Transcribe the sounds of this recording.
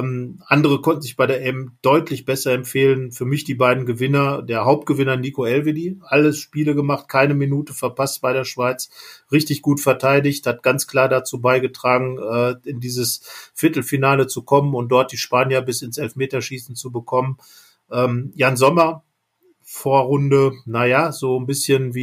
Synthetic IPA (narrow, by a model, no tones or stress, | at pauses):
mʔandəʁ̞əkʰɔntn̩zɪçb̥aɪɾeːɐʔɛmd̥ɔʏtʰlɪçb̥ɛsɐɛmfeːlənfyːɐmɪçd̥iːbaɪdn̩ɡəvɪnɐd̥eːɐɦaʊp̚t̚ɡ̥əvɪnɐnikoɛlvediːʔaləsʃpiːləɡəmaχt̚kʰaɪnəminuːtəfɛɐpastb̥aɪɾeːɐʃv̥aɪt͡sʁɪçtɪçɡ̥uːtfɛɐtʰaɪdɪçthat̚ɡ̥ant͡skl̥aːɐdat͡suːbaɪɡətʁ̥aːɡŋ̩ʔɛːɪndiːzəsfɪɐtl̩finaːlət͡sukʰɔmənʊnt̚d̥ɔɐt̚d̥iːʃpaːnjɐbɪsɪnsʔɛlfmeːtɐʃiːsn̩t͡subəkʰɔmən | ʔɛːmjaːnzɔmɐ | foːɐʁʊndənajaːzoːnbɪsçənviː